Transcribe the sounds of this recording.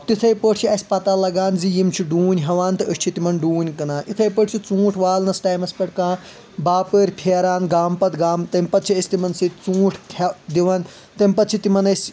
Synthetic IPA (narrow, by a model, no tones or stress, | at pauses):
ɐpt̪it̪ʰɐjpəːʈʰt͡ʃʰiɐsʲpɐt̪aːlɐɡaːnzijimt͡ʃʰiɖuːnʲɦɐʋaːnt̪ɨəst͡ʃʰit̪imɐnɖuːnʲkɐnaːʔit̪ʰɐjpəʈt͡ʃʰit͡sũːʈʰʋaːlnɐsʈaːjmɐsʲpɐʈkãː | baːpəːɾʲpʰeːɾaːnɡaːmpɐt̪ɡaːmt̪ɐmʲpɐt̪̚t͡ʃʰiɐsʲt̪imɐnsit͡sũːʈʰkʲʰɐd̪iʋɐn | t̪ɐmʲpɐt̪t͡ʃʰit̪imɐnɐsʲ